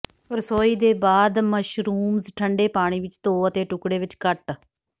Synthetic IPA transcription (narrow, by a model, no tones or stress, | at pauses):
pəɾsoːiːd̪eːbaːd̪məʃɾuːmzʈʰəɳɖeːpaːɽ̃iːʋɪt͡ʃt̪õːət̪eːʈʊkɽeːʋɪt͡ʃkəʈ